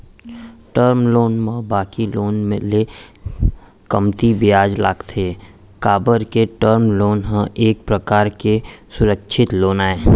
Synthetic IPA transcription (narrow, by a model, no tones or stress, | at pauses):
ʈəɾmloːnmə̃baːkiloːnmḛ̃le | kəmt̪ibjaːd͡ʒla̰ːkt̪ʰe | kaːbəɾkeʈəɾmloːnɦə̃ʔeːk̚pɾəkaːɾkesʊɾəkʃʰɪt̪loːnaːeː